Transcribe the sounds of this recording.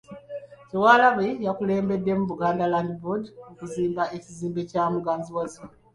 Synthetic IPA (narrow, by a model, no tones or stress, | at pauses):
cewaːlaβejakule̞ːmbe̞dːe̞muβuɡaːndalandibudokuziːmbaʔe̞ciziːmbe̞caːmuɡaːnziwazi